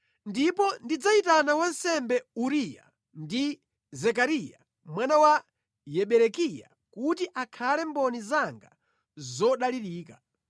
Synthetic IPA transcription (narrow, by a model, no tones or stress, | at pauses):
ndipɔndid͡zaitanawansɛmbɛuɾija̰ | ndi | zɛkaɾija̰ | mwanawa | jɛɓɛɾɛkija̰ | kutiʔakʰalɛmbɔnizaŋɡa | zɔɗaliɾiːka